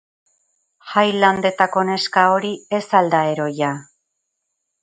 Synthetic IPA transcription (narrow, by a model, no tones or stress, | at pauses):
ʝajland̪e̞t̪ako̞ne̞skao̞ɾie̞sald̪ae̞ɾo̞ja